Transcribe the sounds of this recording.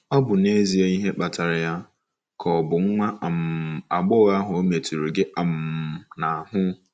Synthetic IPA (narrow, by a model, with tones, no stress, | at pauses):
ɔ˦bʊ˨ne˦zi˨e˦i˦ɦe˦k͡pa˨tʰa˨ɾɪ˨ja˦ | kʰɔ˨bʊ˨ŋ̩˦ŋʷa˦˨m˨a˨ɡ͡bɔ˦ɣa˦ɦʊ˨o˦me˨tu˨ɾo˨ɡe˦ʔa˨m̩˨na˨ɦʊ˦